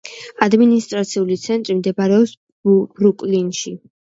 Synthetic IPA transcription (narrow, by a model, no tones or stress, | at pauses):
ad̪minist̪ʼɾat̪sʰiulit̪sʰɛnt̪ʼɾimd̪ɛbaɾɛɔps | b̥ɾukʼlinʃi